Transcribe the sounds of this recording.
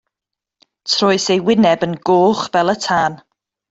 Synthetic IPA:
tʰrɔːɨsejwɪnɛbənɡoːχvɛlˠətʰaːn

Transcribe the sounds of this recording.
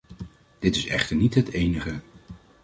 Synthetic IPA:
d̥ɪtɪsɛ̰χtəɹnitɦətejnəχə

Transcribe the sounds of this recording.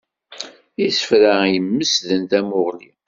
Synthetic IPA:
isə̥fɾajəmːəsðənt̪æmʊʁlḭ

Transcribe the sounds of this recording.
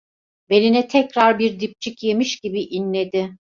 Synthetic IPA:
be̞ninɛt̪ʰɛcɾaɾbiɾd̪ip̚t͡ʃʰicje̞miʃɟibiʔinlʲe̞d̪ɪ

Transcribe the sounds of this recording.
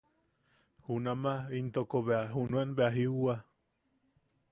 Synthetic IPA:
hunamaint̪okoβeaɦunuenbeaɦiua

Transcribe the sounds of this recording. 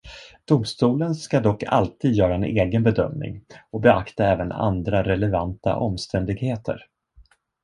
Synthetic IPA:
d̪̥ʊmst̪uːlənskad̪ɔkːa̰lt̪ʰiːd̪jœːɾaɛnʔeːɡənbɛd̪œ̰mnɪ̰ŋɔbɛakt̪aɛːvəna̰nd̪ɾaɾɛlɛvant̪a̰ʔɔmst̪ʰɛnd̪ɪɡheːt̪ʰə̰ɾ

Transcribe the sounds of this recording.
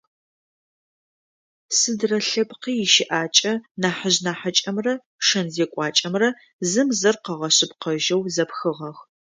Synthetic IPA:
sɨdrɐɬɐpqiːɪʃɪʔaːt͡ʃʼɐnaːħəʑnaːħat͡ʃʼɐmrɐ | ʂɐnzeːkʷʼɑːt͡ʃʼɐmrɐ | zɨmzɐrqɐʁɐɕɪpqɐʒɐwzɐpxɨʁɐx

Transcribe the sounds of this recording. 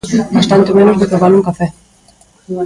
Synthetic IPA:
bast̪ant̪ɪmẽnozðɪkaβaluŋkafɛ

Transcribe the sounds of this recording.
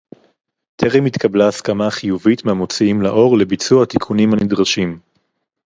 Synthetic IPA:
t̪ʰeʁimit̪kʰablaːskamaχijuvitmehamo̞t͡siimlaʔo̞ʁle̞bit͡suat̪ikʰunimhanidʁaʃim

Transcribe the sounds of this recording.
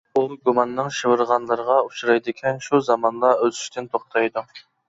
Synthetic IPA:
uɡumɑnːɨŋʃɨwɨɾʁɑnlˠɨɾəʁɑuʃuɾɑjd̪ɪkʲʰɛnʃuzɑmɑnlˠɑølt̪y̥ʃt̪ɪnt̪ʰoχt̪ʰɑjd̪u

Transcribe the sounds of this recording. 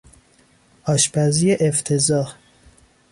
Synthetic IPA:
ʔɒːʃbæzijeʔeft̪ʰezɒːh

